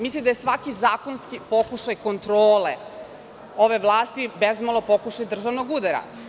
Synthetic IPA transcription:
mislimd̪ajesʋakizaːkonskipo̞kuʃajko̞nt̪ɾoːlḛ | o̞ʋeʋlˠaːst̪ibezmalˠo̞po̞kuʃajd̪r̩ʒaʋnoɡud̪aɾa̰

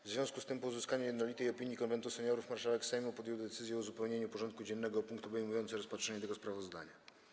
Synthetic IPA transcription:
vzvʲjɔ̃skust̪ɘmpɔuzɘskaɲujɛd̪nɔlʲit̪ɛjɔpʲiɲjikɔnvɛnt̪usɛɲɔɾufmaɾʂawɛksɛjmupɔd̪jɛwd̪ɛt̪sɘzjɛuzupɛwɲeɲupɔʐɔnt̪̚kud͡ʑɛnːɛɡɔpuŋkt̪ɔbɛjmujɔnt̪sɘɾɔspatʂɛɲɛt̪ɛɡɔspɾavɔzd̪a̰ɲa

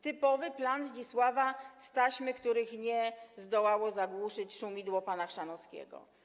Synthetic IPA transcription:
t̪ɘpɔvɘplanzd͡ʑiswavast̪aɕmɘkt̪uɾɘxɲɛzd̪ɔwawɔzaɡwuʂɘt͡ɕʂumʲid̪wɔpanaxʂanɔskʲɛ̰ɡɔ̰

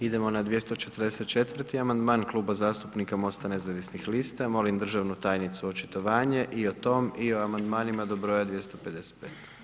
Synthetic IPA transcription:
id̪e̞mo̞nad̪ʋje̞st̪o̞t͡ʃe̞t̪rɾd̪eset̪̚t͡ʃe̞t̪vr̩t̪iamand̪maːnklˠuːbazaːst̪upnikamo̞st̪ane̞zaʋisnixlist̪amo̞lind̪r̩ʒaʋnut̪aːjnit̪suo̞t͡ʃi̥t̪o̞ʋaːɲe̞ʔio̞t̪o̞ːmio̞amand̪maːnimad̪o̞bɾo̞ːjad̪ʋje̞st̪o̞pe̞d̪e̞se̥t̪̚peːt̪

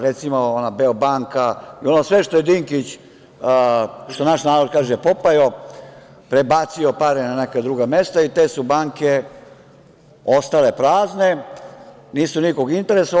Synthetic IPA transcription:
ɾet̪simoonabeobaŋkaio̞nosʋeʃt̪o̞jed̪iŋkit͡ɕ | ʃt̪onaʃnaːɾod̪kaːʒepopajo | pɾe̞bat̪sio̞paɾenanekad̪ɾuːɡame̞st̪ait̪e̞ːsubaːŋke | ost̪ale̞pɾaːzne̞ | niːsuniko̞ɡint̪e̞ɾeso

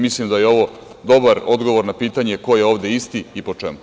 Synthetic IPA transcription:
mislimd̪ajeo̞ʋo̞ | d̪o̞baɾo̞d̪ɡo̞ʋo̞ɾnapiːt̪aɲe̞ko̞jeo̞ːʋd̪e̞ist̪iipo̞t͡ʂɛmu

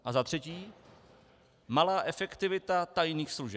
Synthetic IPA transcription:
ʔazat̪r̝̥ɛciː | malaːʔɛfɛkt̪ɪvɪt̪at̪ajniːxsluʒɛp

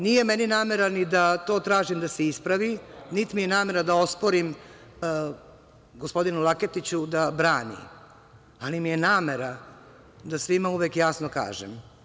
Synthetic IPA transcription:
nije̞meninaːme̞ɾanid̪at̪o̞ːt̪ɾaːʒimd̪aseispɾaʋinit̪imije̞naːme̞ɾad̪ao̞spoɾim | ɡospo̞d̪inulˠaket̪it͡ɕud̪abɾaːnḭ | alimije̞naːmeɾa | d̪asʋimauʋekjaːsnoka̰ːʒḛm

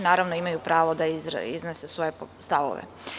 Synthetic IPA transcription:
naːɾaʋno̞imajupɾaːʋo̞d̪aiiznesesʋo̞je̞st̪aʋo̰ʋḛ

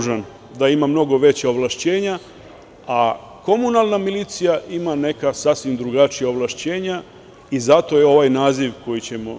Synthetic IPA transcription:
ʒan | d̪aimamno̞ɡo̞ʋe̞t͡ɕaoʋlˠaʃt͡ɕeːɲa | a | ko̞munalˠnamiliːt̪sijaʔimane̞kasasʋimd̪ɾuɡat͡ʃijaoʋlˠaʃt͡ɕe̞ːɲa | izat̪o̞jeo̞ʋajnaːziʋko̞jit͡ɕe̞mo̞

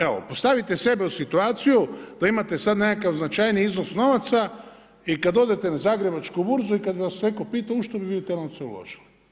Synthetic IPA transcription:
eʋo̰po̞st̪aʋit̪ese̞beusit̪uaːt̪sijud̪̥aimat̪esad̪ne̞kakaʋznat͡ʃajniiznosno̞ʋat̪sa | ikad̪o̞d̪et̪enazaːɡɾebat͡ʃkubuɾzuikad̪biʋasnekopiːt̪auʃt̪obiʋiot̪eɾnoseṵlo̰ʒ̥ili

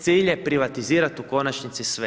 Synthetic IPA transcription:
t̪siːʎepɾiʋat̪iziːɾat̪uko̞nat͡ʃnit̪sisʋe

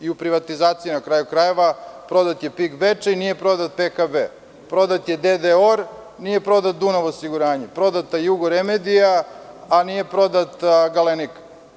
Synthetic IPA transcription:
iupɾiʋat̪izaːt̪sijinakɾaːjukɾaje̞ʋapɾo̞d̪at̪je̞piɡʋet͡ʂeinijepɾo̞d̪at̪̚pekabe | pɾo̞d̪at̪jed̪ed̪eoɾ | nije̞pɾo̞d̪at̪̚d̪unaʋosiɡuɾaːɲepɾo̞d̪at̪ajuɡoɾemed̪ijaː | nije̞pɾo̞d̪at̪aɡalenik

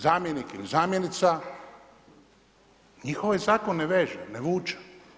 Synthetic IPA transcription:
zaːmjenikilizaːmjenit̪sa | ɲixoʋjezaːkonːeʋeːʒeneʋuːt͡ʃḁ

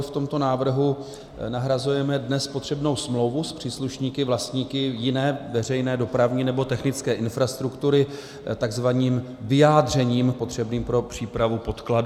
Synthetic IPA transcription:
ft̪o̞mt̪o̞naːvr̩ɦu | naɦɾazujɛmɛdnɛspot̪r̥ɛbno̞wsmlo̞wvuspr̝̥iːsluʃɲiːkɪvlast̪ɲiːkɪjɪnɛːvɛr̝ɛjnɛːdo̞pɾavɲɪnɛbo̞t̪ɛxnɪt͡skɛːʔɪnfɾast̪ɾukt̪uɾɪ | t̪aɡzvaɲiːm | vɪjaːd̪r̝ɛɲiːmpo̞t̪r̝̥ɛbniːmpɾo̞pr̝̥iːpɾavupo̞t̪klad

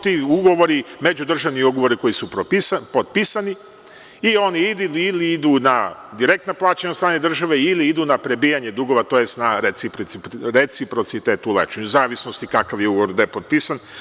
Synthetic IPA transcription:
t̪iuɡo̞ʋo̞ɾime̞d͡ʑud̪r̩ʒaʋniuɡoʋo̞ɾiko̞jisupɾopisapod̪̚pisani | io̞niid̪uliiliid̪unad̪iɾe̞k̚t̪noplˠaːt͡ɕaɲaost̪ɾaːned̪r̩ʒaʋe̞iliid̪uːnapɾe̞bijaɲe̞d̪uɡo̞ʋat̪oːje̞st̪naɾesipɾɾe̞t̪sipɾo̞t̪sit̪eːt̪uulḛt͡ʃeɲuzaːʋisno̞st̪ikakaʋjeuɡoʋo̞ɾd̪ajepot̪̚pisan

